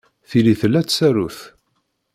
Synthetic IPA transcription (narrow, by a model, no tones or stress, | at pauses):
θiliθəlːæt͡sːsæɾuθ